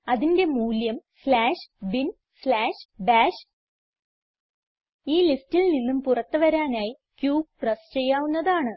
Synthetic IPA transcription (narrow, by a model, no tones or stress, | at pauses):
ɐðinde̞muːljɐmslaːʂbin | slaːʂbaːʂ | iːlistilninːumpurɐt̪ːɨʋɐɾaːnaːji | kjuːk̚prɐst͡ɕe̞jːaːʋunːɐðaːɳɨ